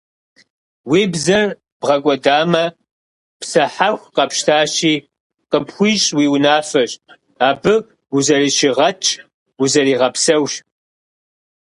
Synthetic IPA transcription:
wiːbzɐr | b̥ʁɐkʷʼɔdaːmɐ | psɐħaxʷqɐpʃtʰaːʃiː | qəpxʷiːɕʼwiːwnaːfɐɕʼ | aːbɨ | uzɐriːʃɪʁɐt͡ʃʰʼ | uzɐriːʁɐpsɐwɕ

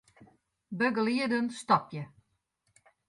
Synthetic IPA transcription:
bøɡəliədənstɔpjə

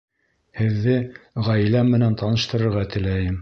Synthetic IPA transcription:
hɘ̆ðːɘʁæjlæmːɘ̆nænt̪ʰɑnɤ̆ʃt̪ɤ̆ɾɤ̆ɾʁɑt̪ɘ̆læjɘm

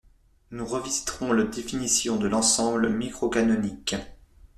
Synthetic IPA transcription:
nuʁəvizi̥t̪χɔ̃lad̪efinisjɔ̃d̪əlɑ̃sɑ̃bləmikχɔkanɔnik

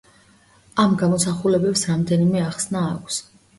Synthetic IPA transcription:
amɡamɔsaχulɛbɛpsɾamd̪ɛnimɛaχsna̰ːkʷʰs

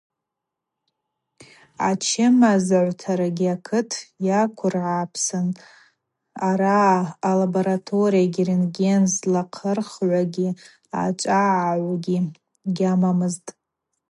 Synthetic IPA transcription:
at͡ʃʰɪmazʕʷtʰaɾaɡʲiakʰɨtʰjakʷʰʊrʕapʰsɨn | aɾaːlaboɾatʰo̞ɾijaɡʲirinɡʲenzlaqʰərχʕʷaɡʲi | a̰t͡ʃʷʼaʕaʕʷaɡʲi | ɡʲamamɨztʼ

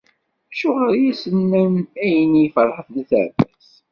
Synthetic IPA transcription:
æʃʊʁəɾjæsənːənæjənijfəɾˤħəfnæθə̰ʕbæs

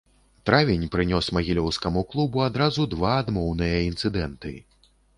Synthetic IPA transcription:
t̪ɾavʲinʲpɾɨnʲɔsmɐɣʲilʲɔwskɐmuklˠubuad̪ɾazud̪vaːd̪mɔwnɨjɐint̪sɨd̪ɛnt̪ɨ̰

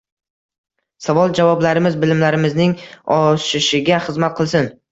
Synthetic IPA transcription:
savɒlˠd͡ʒavɒblaɾɪmɪzbɪlɪmlaɾɪmɪznɪŋɒʃɪʃɪɡʲaχɨzmat̪̚qʰɨlˠsɪn

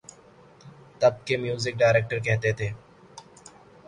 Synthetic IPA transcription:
t̪əb̚keːmjuːzɪk̚ɖaːɪɾeːk̚ʈəɾkɛɦt̪eːt̪ʰeː

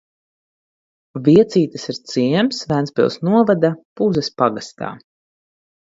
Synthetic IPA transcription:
viɛt̪siːt̪ɐsiɾt̪siɛmsvænspḭlˠsnuɔvad̪apuzɛspaɡast̪a̰ː

